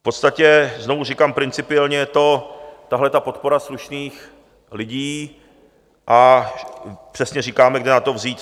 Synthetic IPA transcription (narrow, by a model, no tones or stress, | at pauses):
fpo̞t̪st̪acɛzno̞vurɪkaːmpɾɪnt͡sɪpɪɛlɲɛɛt̪o̞t̪aɦlɛt̪apo̞t̪̚po̞ɾasluʃniːx | lɪɟiː | ʔa | pr̝̥ɛsɲɛriːkaːmɛɡdɪnat̪o̞vziːt̪